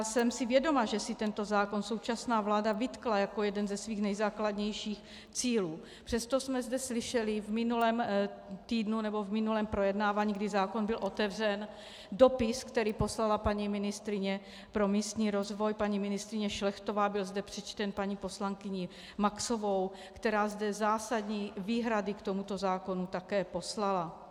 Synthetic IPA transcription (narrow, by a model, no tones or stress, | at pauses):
asɛmsɪvjɛdo̞maʒɛsɪt̪ɛnt̪o̞zaːko̞nso̞wt͡ʃasnaːvlaːdavɪt̪klajako̞jɛdɛnzɛsviːxnɛjzaːkladɲɛjʃiːx | t͡siːluː | pr̥ɛst̪o̞smɛzdɛslɪʃɛlɪvmɪnulɛːmt̪iːdnunɛbo̞vmɪnulɛːmpɾo̞jɛdnaːvaːɲiːɡdɪzaːko̞nbɪlʔo̞t̪ɛvr̝ɛn | do̞pɪskt̪ɛɾiːpo̞slalapaɲimɪnɪst̪ɾɪɲɛ | pɾo̞miːst̪ɲiːɾo̞zvo̞jpaɲiːmɪnɪst̪ɾɪɲɛʃlɛxt̪ovaːbɪlzdɛpr̥ɛt͡ʃt̪ɛnpaɲipo̞slaŋkɪɲɪ | makso̞vo̞w | kt̪ɛɾaːzdɛzaːsad̪ɲiːviːɦɾadɪkt̪omut̪o̞zaːko̞nut̪akɛːpo̞slala